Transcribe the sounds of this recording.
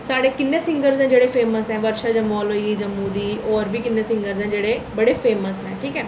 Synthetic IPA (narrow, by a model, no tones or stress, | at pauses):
saːɽeːkɪnːẽːsɪ̃ŋɡəɾzɛ̃ːd͡ʒeːɽeːpʰeːməsɛ̃ːʋəɾʃaːd͡ʒəmɔːlɦoiːɡiːd͡ʒəmːuːd̪iːɔːɾbiːkɪnːẽːsɪ̃ŋɡəɾzɛ̃ːd͡ʒeːɽeːbəɽeːpʰeːməsɦɛ̃ːʈʰiːkɛː